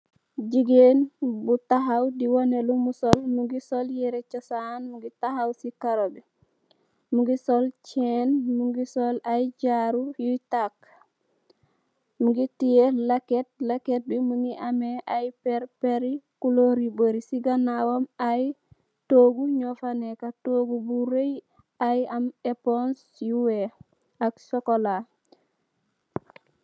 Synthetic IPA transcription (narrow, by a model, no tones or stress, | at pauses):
d͡ʒiɡenbutaɦawdiwonelumusolmuŋɡisoljiɾet͡ʃosanmuŋɡitahawsikaɾobi | muŋɡisolt͡ʃenmuŋɡisolajɟaɾujutak | muŋɡitijelaket̚laket̚bimuŋɡiʔameʔajpeɾpeɾikuloɾiboɾisiɡanawomaj | toɡuɲofanekatoɡubuɾej | ajamepons | juwe | aksokola